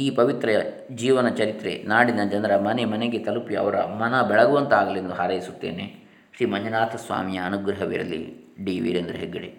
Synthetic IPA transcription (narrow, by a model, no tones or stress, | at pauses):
iːpɐʋit̪ɾɐ | d͡ʒiːʋɐnɐt͡ʃɐɾit̪ɾḛnaːɽinɐd͡ʒɐnd̪ɾɐmɐnemɐneɡet̪ɐlupiɐ̰ʋɐɾɐ̰mɐnɐbɛɭɐɡuʋɐnt̪aːɡɐlend̪uɦaɾɐjisut̪ːe̞ːne | ʃɾiːmɐɲd͡ʒɐnaːt̪ʰɐsʋa̰ːmijɐːnuɡɾɐɦɐʋḭɾɐ̰lːḭ | ɖiːʋḭɾend̪ɾuɦeɡːɐɽe